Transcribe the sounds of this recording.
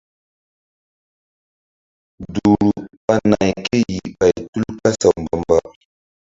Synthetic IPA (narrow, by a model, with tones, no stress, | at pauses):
du˨ɾɾu˨ɓa˦na˨jke˦ji˨ɓa˨jtu˦lka˦sa˨wmba˨mba˦